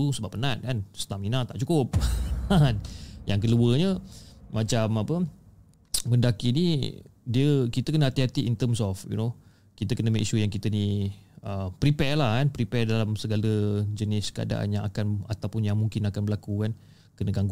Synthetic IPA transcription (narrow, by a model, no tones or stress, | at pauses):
usəbapːənat̪̚kansə̥t̪aminat̪aʔt͡ʃukʊp̚ | njaŋk̬əluəɲəmat͡ʃamapə | məndakinidiəkit̪əkənəat̪iɦat̪iʔint̪əmsɔfjṵno | kit̪əkənəmãʔiʃujaŋkit̪əniʔəpɾipɛlahkanpɾipɛdalamsəɡaləd͡ʒənɪskəa̰da̰ʔa̰njaŋakanat̪awpʊnjaŋmuŋkinakanbəlakukan | kənəɡaŋɡ